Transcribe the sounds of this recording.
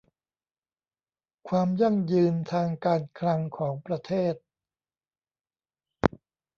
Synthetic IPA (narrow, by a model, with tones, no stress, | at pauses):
kʰwaː˧mja˥˩ŋjɯː˧nt̪ʰaː˧ŋkaː˧nkʰɾa˧ŋkʰɔː˩˦ŋpɾa˧t̪ʰeː˥˩t̪̚